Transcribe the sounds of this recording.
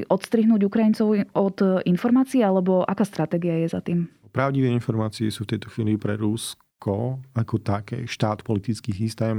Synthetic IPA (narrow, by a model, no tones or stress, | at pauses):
ʔɔt̪st̪ɾiɦnuːɟukɾajint͡sɔʊɔd̪infɔɾmaːt͡siɛalɛbɔʔa̰kaːst̪ɾat̪ɛːɡiajɛza̰t̪iːmpɾaʊɟiʋɛinfɔɾmaːt͡siɛsuːft̪ɛjt̪ɔxʋiːlipɾɛɾus | kɔakɔt̪akɛ̰ːʃt̪aːt̪pɔlit̪it͡skiːsist̪ɛːm